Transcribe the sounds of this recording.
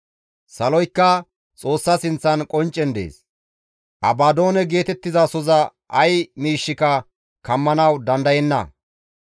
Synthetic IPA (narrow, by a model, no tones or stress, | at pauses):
sɐlɔjkːɐ | t͡sʼo̞ːsːɐsɪnt͡sːɐnkʼɔnt͡ʃʼːɛnd̪ḛːs | ʔɐbaːd̪o̞ːnɛɡe̞ːt̪ɛt̪ːɪzɐsɔzɐ | ɐjmiːʃːɪkɐ | kɐmːɐnɐwd̪ɐnd̪ɐjɛnːɐ̰